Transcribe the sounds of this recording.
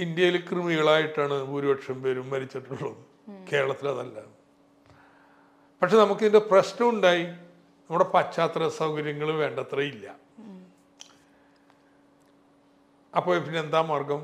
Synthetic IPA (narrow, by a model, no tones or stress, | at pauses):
ind̪jɐjilkrɨmiɣɐɭaːjiʈːaːɳɨbuɾubɐʈʂɐmpe̞ːɾumːɐɾit͡ɕːiʈːuɭːɐɨ | ke̞ːɾɐɭɐt̪ːilɐðɐlːɐ | pɐʈʂe̞nɐmukːɨindeprɐsnɐuɳɖaːji | nɐmːuɽepɐt͡ɕːaːt̪rɐsɐwkɐɾjɐŋːɐɭʋe̞ːɳɖɐt̪rɐilːɐ | ɐpːo̞ːɭpinːeend̪aːmːɐrɡɐm